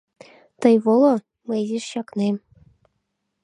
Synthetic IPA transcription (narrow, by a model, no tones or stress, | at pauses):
t̪ɤ̆jβolˠɤ̆ | mɤ̆jziʂɕɑknem